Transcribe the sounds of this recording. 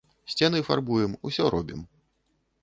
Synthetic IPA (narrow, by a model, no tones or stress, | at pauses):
sʲt͡sʲɛnɨfa̰rbujɛmusʲɔɾʔɔbʲim